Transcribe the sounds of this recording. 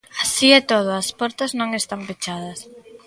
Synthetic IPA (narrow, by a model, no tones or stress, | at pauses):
asiɛt̪oð̞oɐspɔɾt̪ɐznõŋest̪ampet͡ʃað̞ɐs